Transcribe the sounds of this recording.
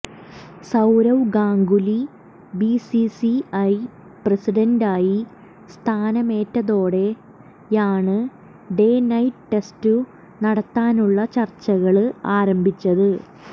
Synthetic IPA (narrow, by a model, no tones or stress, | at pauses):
sɐwɾɐwɡaːŋɡuli | bisisiɐj | presiɖɐndaːji | st̪ʰaːnɐme̞ːtːɐðo̞ːɽe̞ | jaːɳɨ | ɖe̞ːnɐjʈʈe̞stu | nɐɽɐt̪ːaːnuɭːɐt͡ɕɐrt͡ɕːɐɣɐɭɨaːɾɐmbʱit͡ɕːɐðɨ